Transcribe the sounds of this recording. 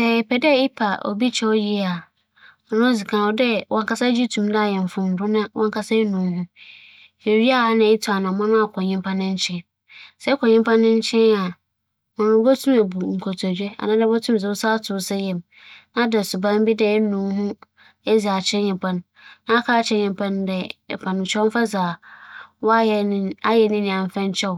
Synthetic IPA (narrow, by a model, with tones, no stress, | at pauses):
sɛ˨pʰɛ˨dɛ˦ɪ˦pʰa˨o̰˨bi˦t͡ɕʰɛ˦ɔ˦ji˦˨a˨ | ɔ˨nʊ̃˦zi˨kʰã˨ɔ˦dɛ˦wʔɔ̃˨ŋka˦sa˦d͡ʑi˦tʰũ˨mda˦˨jɛ˨m˨fʊ̃˨n̩˨dʊ˦nã˦wʔɔ̰̃˨ŋkʰa˦sa˦nũ˨m˦hʊ̃˦ | e˨ɾi˦a˦a˨nɪ̃˦ɪ˦tʰu˨a˨nã˨mã˦nã˦a˨kʰɔ̃˨ɲɪ̃˦m˦pʰã˦nɪ̃˦ɲ̩˦t͡ɕʰɛ̃˦n | sɛ˦kʰɔ̃˨ɲɪ̃˦mpʰã˦nːɪ̃˦ɲ˦t͡ɕʰɛ̃˦na˨ | mɔ̃˨nʊ̃˦bɔ˦tʰũ˦me˨bu˨ŋ̩˨kʰɔ˨tʰd͡ʑᶣɛ˦a̰˨nã˦dɛ˦btʰũ˦m˨zɛ˨ʊ˦sa˦tʰʊ˨sɛ˦jɛ˨m | nã˦dɛ˨sʊ˨bã˦m˦bi˦dɛ˦nũ˨˦ɦʊ̃˦ | e˦zi˨a˨t͡ɕʰɛ˦ɲɪ̃˨mpʰã˦nː | ã˦a˦kʰa˦t͡ɕʰɛ˦ɲɪ̃˨mpʰã˦ndɛ˨pʰã˨ñ˨t͡ʃʰᶣɛ˦m̩˦fa˦za˨wɔ˦˨˦a˦jɛ˨˦nĩ˦nĩ˨ã˨m˨fɛ̃˦ɲ˦t͡ɕʰɛ˦w